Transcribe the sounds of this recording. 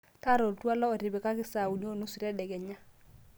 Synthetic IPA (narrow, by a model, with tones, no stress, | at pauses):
ta˦ɾɔ˨ltu˦a˦lɔ˦ɔ˨ɾɪ˨bɪ˨ka˦kɪ˦sa˨u˨ɲ˦o˦˨nu˦su˨ɾɛ˦dɛ˨ɡɛ˨ɲa˦